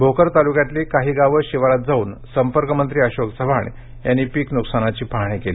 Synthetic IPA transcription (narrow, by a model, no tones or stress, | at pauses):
bʱokəɾt̪alukjat̪lekaɦiːɡaʋəɕiʋaɭat̪̚d͡zauːnsəmpəɾkəmənt̪ɾiːaɕokd͡zʱəʋaɳ | janːiːpiːknuksanat͡ɕiːpaɦɳ̃ekeli